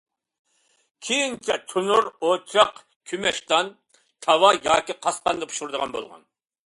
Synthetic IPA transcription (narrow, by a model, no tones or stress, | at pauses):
kʲʰejint͡ʃʰɛt̪ʰunuɾot͡ʃʰɑq | kʲʰymɛʃt̪ɑn | t̪ʰɑwɑjɑːkʲiqʰɑsqɑnd̪ɑpʰu̥ʃuɾd̪əʁɑnbo̰lˠʁɑ̰n